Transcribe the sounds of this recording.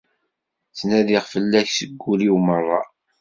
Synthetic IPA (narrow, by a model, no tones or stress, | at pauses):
θnæðiʁfəlːæçsəɡʷːuliwmərˤːɑ